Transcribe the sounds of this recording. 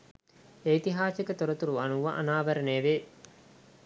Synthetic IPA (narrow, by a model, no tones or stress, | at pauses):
eit̪iɦaːsekət̪oɾət̪uɾuɐnuʋa̰ʔɐ̰naːʋəɾəneːʋeː